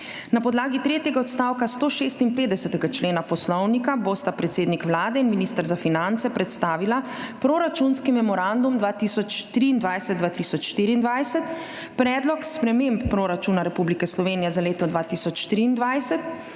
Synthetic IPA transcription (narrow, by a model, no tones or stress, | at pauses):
napɔd̪laːɡit̪ɾeːt̪jɛɡaɔt̪st̪aːwkast̪oːʃeːst̪inpeːd̪ɛsɛt̪ɛɡat͡ʃleːnapɔslɔwnikabost̪apɾɛt̪seːd̪nikʋlaːd̪ɛinminiːst̪əɾzafinant̪sɛpɾɛt̪st̪aːʋilapɾoɾat͡ʃunskimɛmɔɾand̪umd̪ʋaːt̪isɔt͡ʃt̪ɾiːnd̪ʋajsɛd̪̚d̪ʋaːt̪isɔt͡ʃʃt̪iːɾiːnd̪ʋajsɛt̪ | pɾɛːd̪lɔkspɾɛmempːɾoːɾat͡ʃunaɾɛpublikɛslɔʋeːnijɛzaleːt̪ɔd̪ʋaːt̪iːsɔt͡ʃʃt̪ɾiːnd̪ʋajsɛt̪